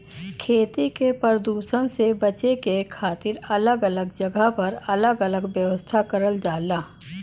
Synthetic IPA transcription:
kʰeːt̪ikepəɾəd̪uːʃəñsebɐt͡ʃekekʰaːt̪ɪɾɐləɡələɡd͡ʒəɡʱəpɐɾɐləɡələɡʋjəʋəst̪ʰakəɾəldaːlaː

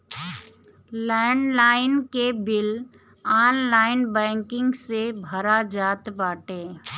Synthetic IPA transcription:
lɛ̃ːɳɖlaːɪnkebɪl | aːnlaːɪnbɛ̃ːŋkɪ̃ŋɡsebʱəɾad͡ʒaːt̪baːʈeː

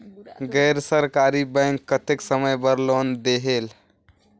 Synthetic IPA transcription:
ɡɛjɾsəɾkaɾibə̃ŋkːət̪eksəməjbəɾlond̪eɦel

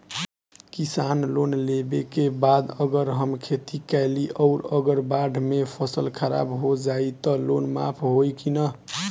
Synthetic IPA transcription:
kisanlonlebekebad̪əɡəɾɦəmkʰet̪ikɛliʔʌʊɾəɡəɾbaɖʱmepʰʌsəlkʰəɾa̰bɦod͡ʒait̪ʌlonma̰pʰɦojkinʌ

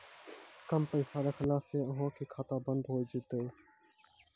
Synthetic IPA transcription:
kəmpəĩːsaːɾeːkʰəlaːseːʊɦãːkʰeːkʰaːt̪aːbənd̪ɦoːid͡ʒʊt̪eː

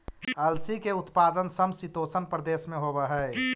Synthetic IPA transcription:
ɐlsikeʊt̪paːd̪ənsəmsit̪oːsənpɾəd̪eːsmẽɦobəɦɛ

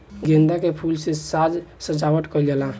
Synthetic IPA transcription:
ɡẽnd̪akepʰulsẽsad͡ʒsəd͡ʒawəʈ̪kəld͡ʒela

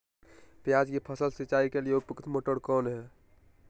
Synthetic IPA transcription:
pjad͡ʒkipʰəsəlsit͡ʃaːikelijeupəkt̪moːʈəɽkɔːnɦɛ

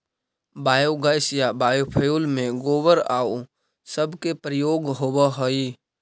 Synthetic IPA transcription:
baːjoɡəɪsjabaːjupʰəjuːlmẽɡoːwəɾa̰ːo | səbkepɾəjoːɡɦoːwəɦoi

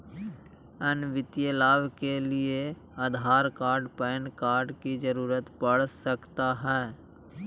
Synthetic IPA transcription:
ənʋɪt̪jəlaːʋkelɪe | aːd̪ʱaːɾkaːɾɖpənkaːɾɖkid͡ʒəɾuːɾət̪pəɽ̤səkt̪aɦɛː

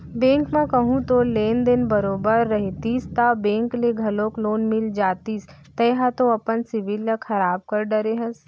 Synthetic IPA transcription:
bẽːŋkmẽkɐɦũt̪oleːnd̪ɪnbɐɾoːbəɾːɐɦit̪ist̪abẽːŋkleɡʱɐlõːkloːnmɪld͡ʒaːt̪iːs | t̪ɐjɦat̪oɐpənsɪʋɪlɐxɐɾaːb̚kɐɾɖɐɾeɦɐ̃s

